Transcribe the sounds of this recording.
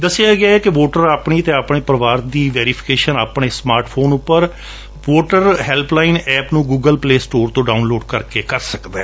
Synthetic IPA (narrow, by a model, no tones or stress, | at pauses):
d̪əsɪaːɡɪaːɛːkɪʋoːʈəɾaːpɳiːt̪ẽːaːpɳ̃eːpɾəʋaːɾd̪iːʋeːɾipʰɪ̥keːʃənaːpɳ̃eːsmaːɾʈpʰoːnʊpːəɾ | ʋoːʈəɾɦɛːlplaːɪnɛːpnũːɡuːɡəlpleːsʈoːɾt̪õːɖaːʊnloːɖkəɾkeːkəɾsəkd̪aː